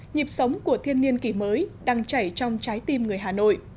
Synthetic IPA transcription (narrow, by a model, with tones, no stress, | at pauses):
ɲi˨˩p̚sə˨˦wŋ͡mku˧˩ət̪ʰi˧ənːi˧ənki˧˩məː˨˦jɗaː˧ŋt͡ɕa˧˩jt͡ɕɔ˧wŋ͡mt͡ɕaː˨˦jt̪i˧mŋɨ˨˩əjɦaː˨˩no̰˧˨j